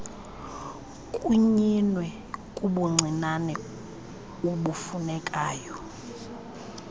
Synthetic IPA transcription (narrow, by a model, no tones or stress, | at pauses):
kʼuɲinwɛ | kʼuɓuŋ͡ǀʱinanɛ | uɓufunɛkʼaːjɔ